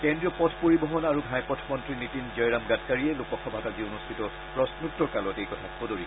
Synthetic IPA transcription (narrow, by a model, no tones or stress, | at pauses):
kɛndɹiɔpɔtʰpoɹibɔɦɔnaɹuɡʱajpɔtʰmɔntɹinitinzɔjɹamɡatʰkaɹiɛlopɔkʰɔbʱatazionustʰitɔ | pɹɔsnuk̚tːɔɹkalɔtejkɔtʰaxodoɹi